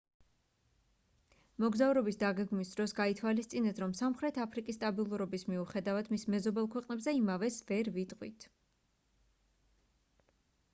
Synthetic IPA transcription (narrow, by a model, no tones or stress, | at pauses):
mɔɡzavɾɔbisd̪aɡɛɡmisd̪ɾɔsɡait̪ʰwalist̪sʼinɛt̪ʰɾɔmsamχɾɛt̪ʰapʰɾikʼist̪ʼabilˠuɾɔbismiuχɛd̪avad̪mismɛzɔbɛlˠkʰwɛqʼnɛbzɛimavɛsvɛɾvit̪ʼqʼwit̪ʰ